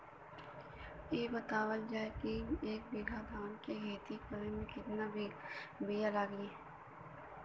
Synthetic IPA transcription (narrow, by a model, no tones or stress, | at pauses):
eːbət̪aːwəld͡ʒaːekieːk̚bɪɡʱad̪ʱaːnkeɡeːt̪ikəɾẽmẽkɪt̪nabibijalaːɡieː